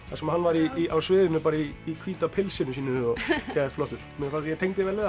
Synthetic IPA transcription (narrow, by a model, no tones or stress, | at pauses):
θasɛmhanːvaɾiiawsvɪːðʏnːʏpaːɾaiːkʰviːt̪apʰɪlsɪnʏsiːnɪɔcaːðflɔht̪ʏɾ̥mɛnfajɛt̪ʰejŋt̪ɪvɛɾlɪ